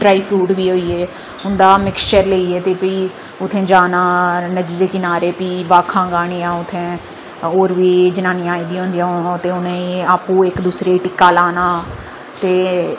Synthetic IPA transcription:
ɖɾaːiːpʰɾuːʈʋiːɦoːiːeː | ɦʊnd̪aːmɪkst͡ʃəɾleiːeːt̪eːpiː | ʊt̪ʰːẽːd͡ʒaːnaːnəd̪iːd̪eːkɪnaːɾeːpiːʋaːkʰãːɡaːɳ̃ijãːʊt̪ʰːẽː | oːɾʋiːd͡ʒənãːnɪjãːid̪iːɦõːnd̪ijãːõt̪eːʊnẽːaːpũːɪkd̪uːsɾeːʈɪkːaːlaːnaː | t̪eː

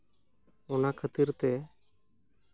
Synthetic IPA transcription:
ɔnakʰət̪iɾt̪ɛ

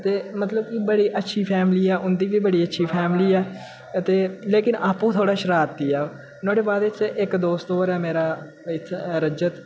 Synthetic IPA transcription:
t̪eːmət̪ləbkɪbəɽiːʔətːʃʰiːpʰɛːmliːɛːʔʊnd̪iːʋiːbəɽiːətːʃʰiːpʰɛːmliːɛː | ət̪eːleːkɪnaːpũːt̪ʰoːɽaːʃəɾaːt̪ːiːɛː | nõːɖeːbaːd̪ɪt͡ʃʔɪkd̪oːst̪ɦoːɾɛːmeːɾaː | ɪt̪ʰːɾəd͡ʒət̪

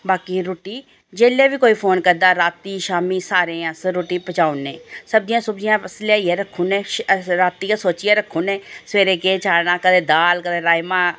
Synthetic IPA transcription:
baːkiːɾoːʈiː | d͡ʒeːleːʋiːkoːiːpʰoːnkəɾd̪aːɾaːt̪iːʃaːmiːsaːɾeːãsɾoːʈiːpət͡ʃaːʊnːeːsəb̚d̪ɪjãːsʊbd͡ʒijãːpəslːaːieːɾəkʰːuːneːɾaːt̪ːiːasoːt͡ʃijaːɾəkʰːuːnẽːsʋeːɾeːkeːt͡ʃaːɽnãːkəd̪eːd̪aːlkəd̪eːɾaːjmãː

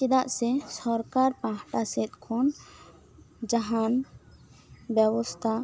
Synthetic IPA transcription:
t͡ʃid̪aʔsɛsɔɾkaɾpãɦʈasɛt̪̚ˀkʰɔn | d͡ʒaɦan | bjɛwɔst̪ʰa

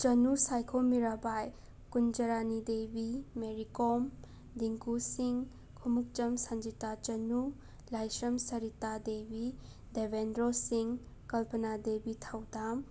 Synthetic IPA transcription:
t͡ʃɐnusajkʰomiɾabaj | kund͡ʒɐɾanidebimeɾikom | diŋkusiŋ | kʰumuk̚t͡ʃɐmsand͡ʒitat͡ʃɐnu | lajsɾɐmsɐɾitadebi | debendɾosiŋ | kɐlpʰɐnadebitʰawdam

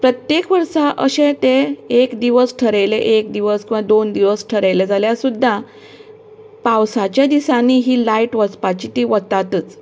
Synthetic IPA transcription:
pɾət̪jekʋəɾʂaʔə̰ɕet̪eekd̪iʋəsʈʰəɾejleʔekd̪iʋəskĩw̃ʋad̪ond̪iʋəsʈʰəɾəjled͡zaljasud̪ʱːa | paʋsat͡ɕjad̪isanːiɦiːlaiʈʋət͡spat͡ɕiːt̪iːʋət̪ːat̪ət͡s

